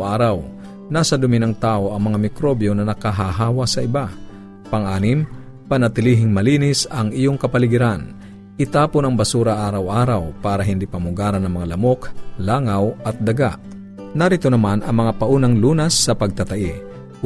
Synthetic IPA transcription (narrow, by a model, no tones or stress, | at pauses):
ʔaːɾɐw | nasɐd̪ʊmɪnɐŋt̪aːʔo̞ʔɐŋmɐŋamɪkɾobjonɐnɐkaɦaɦaːwasɐʔɪba | pɐŋʔaːnɪm | pɐnɐt̪ɪliːɦɪŋmɐliːnɪsɐŋɪjoŋkɐpɐlɪɡɪɾan | ʔɪt̪aːponɐŋbɐsuːɾɐʔaːɾɐwʔaːɾɐwpaːɾɐɦɪnd̪ipɐmʊɡaːɾɐnɐŋmɐŋalɐmoklaːŋawʔɐt̪̚d̪ɐɡa̰ʔ | nɐɾɪt̪onɐmanɐŋmɐŋapɐʔuːnɐŋluːnɐsːɐpɐɡ̚t̪ɐt̪ɐʔi